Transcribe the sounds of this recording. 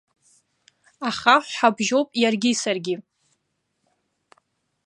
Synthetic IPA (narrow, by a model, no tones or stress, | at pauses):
aχaħʷħabʒo̞wpʼjarɡʲisarɡʲi